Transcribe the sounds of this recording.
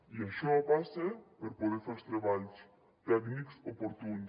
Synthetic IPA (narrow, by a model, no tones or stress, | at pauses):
iaʃoapasepeɾpoðeɾfaɾst̪ɾeβals | t̪ɛkniksopoɾt̪un